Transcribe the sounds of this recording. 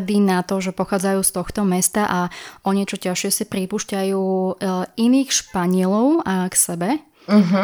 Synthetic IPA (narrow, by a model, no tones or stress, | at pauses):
d̪inat̪ɔʒɛpɔxaːd͡zajuːst̪ɔxt̪ɔmɛst̪aʔaɔɲɛt͡ʃɔcaʃɪɛsipɾipuːʃcajuː | iniːxʃpaɲɪɛlɔʊaksɛbɛ | ɦ